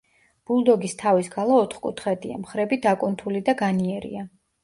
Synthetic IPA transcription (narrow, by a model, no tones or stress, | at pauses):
b̥ulˠd̪ɔɡist̪ʰavisɡalˠaɔt̪χkʼṵt̪ʰχɛd̪ia̰mχɾɛbid̪akʼunt̪ʰulid̪aɡaniɛɾḭa